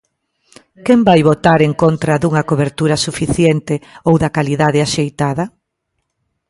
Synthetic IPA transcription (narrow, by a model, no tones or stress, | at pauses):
kɛmbajβot̪aɾeŋkont̪ɾɐðuŋɐkoβeɾt̪uɾɐsufiθjent̪ɪowðɐkaliðaðɪaʃejt̪aðɐ